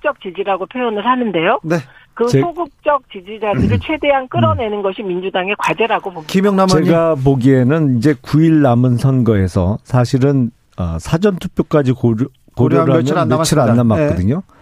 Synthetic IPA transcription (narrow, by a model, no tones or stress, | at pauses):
t͡ɕ͈ʌk̚t͡ɕid͡ʑiɾaɡopʰjojonɯɭhanɯnde̞jone | kɯesoɡuk̚t͡ɕ͈ʌk̚t͡ɕid͡ʑid͡ʑadɯɾɯɭt͡ɕʰwe̞de̞ɦank͈ɯɾʌne̞nɯnɡʌɕʰimind͡ʑudaŋe̞kwad͡ʑeɾaɡopomimjʌŋnamt͡ɕe̞ɡap̬oɡienɯnid͡ʑe̞kuiɭːamɯnsʰʌnɡʌe̞sʰʌ̰sʰaɕʰiɾɯn | ʌ̰sʰad͡ʑʌntʰu̥p͈ʰjok͈ad͡ʑik | koɾjoɾɦamjʌnt͡ɕʰiɾɯanːamːakk͈ʌdɯɲo